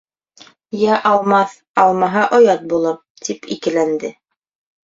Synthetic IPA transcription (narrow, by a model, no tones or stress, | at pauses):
jæʔɑlˠmɑθ | ɑlˠmɑɦɑʔŏjɑt̪̚bulˠɤp̚ | t̪ʰipḭkɘ̆lænd̪ɘ